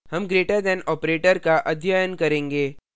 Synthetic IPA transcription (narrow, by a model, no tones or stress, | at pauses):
hɐmɡɾeːʈəɾd̪ɛ̃nɔːpɾeːʈəɾkaʔɐd̪ʱjəjənkɐɾẽːŋɡeː